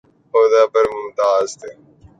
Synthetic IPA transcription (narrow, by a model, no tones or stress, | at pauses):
oːd̪aːpəɾmʊmt̪aːzt̪e